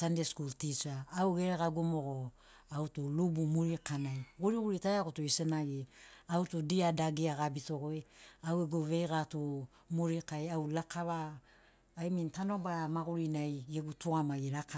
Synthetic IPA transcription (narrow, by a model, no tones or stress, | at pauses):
sandeskultit͡ʃaːwɡeɾeɡaɡumoɡo | autulubumuɾikanajɡuɾiɡuɾitajakutuisenaɡiautudiadaɡiaɡabitoɡoeaweɡuβe̞jɡatu | muɾikajawlakʰaβaː | jmintano̞baɾamaɡuɾinajɡeɡutuamaɡiɾaka